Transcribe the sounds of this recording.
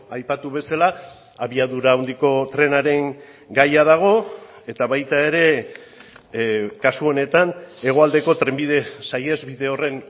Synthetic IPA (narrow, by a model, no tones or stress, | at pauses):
ajpat̪uβe̞sala | aβiaðuɾawnd̪iko̞t̪ɾe̞naɾe̞ŋ | ɡajaðaɣ̞o̞ | e̞t̪aβajt̪ae̞ɾe̞ | kasuo̞ne̞t̪ane̞ɣ̞o̞ald̪e̞ko̞t̪ɾe̞mbiðe̞saje̞zβiðe̞o̞re̞n